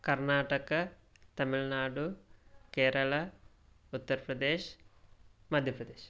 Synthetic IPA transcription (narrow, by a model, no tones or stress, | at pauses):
kɐɾnaːʈɐkɐ | t̪ɐmiɭnaːɖukeːɾɐɭɐ | ut̪ːɐɾpɾɐd̪eːʃ | mɐd̪ʱjɐpɾɐd̪eːʃ